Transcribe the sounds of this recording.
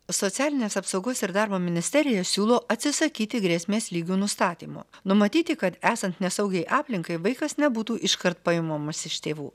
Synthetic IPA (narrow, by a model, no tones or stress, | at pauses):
sɔt̪sʲæːlʲɪnʲeːsɐpsɒʊɡoːsɪɾd̪ɑːɾboːmʲɪnʲɪsʲt̪ʲɛɾʲɪjɛsʲuːlˠoːʔɐt̪ʲsʲɪsɐkʲiːt̪ʲɪɡɾʲeːsʲmʲeːslʲiːɡʲuːnʊst̪ɑːt̪ʲiːmo̰nʊmɐt̪ʲiːt̪ʲɪkɐt̪æːsɐnt̪nʲɛsɐʊɡʲɛɪʔɑːpʲlʲɪŋkɐɪʋɐɪkɐsnʲɛbuːt̪uːʔɪʃkɐɾt̪̚pɐɪmoːmɐsɪʃt̪ʲeːʋṵː